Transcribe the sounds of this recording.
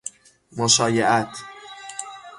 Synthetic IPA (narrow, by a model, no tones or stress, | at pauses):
moʃɒːjeʔæt̪ʰ